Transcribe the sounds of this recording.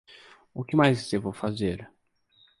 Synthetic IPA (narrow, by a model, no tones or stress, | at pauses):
ʊkɪmajzsevowfazeɾ